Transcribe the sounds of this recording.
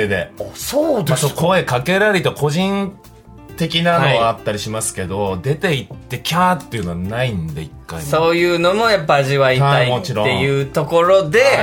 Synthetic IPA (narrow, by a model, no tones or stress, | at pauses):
ed̪e̞̰soːd̪esokʰo̞e̞kake̞ɾaɾʲit̪okʰo̞ʑĩn | t̪e̞kʲinanoɡat̪ːaɾʲiɕimasɨ̥ke̞d̪o̞d̪e̞t̪e̞it̪ːe̞kʲaːt̪ːeiɯ̟no̞anaind̪e̞̰ikːa̰iso̞ːjɯ̟ːno̞mo̞japːaːʑiβaiaaimot͡ɕiɾoejɯ̟ːt̪o̞ko̞ɾo̞d̪e̞